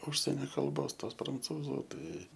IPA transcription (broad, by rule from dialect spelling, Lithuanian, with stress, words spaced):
ˈʊʃʲsʲɛnʲɛ kɐlˠˈboːs ˈtoːs prɐnˈt͡suːzʊ ˈtɐɪ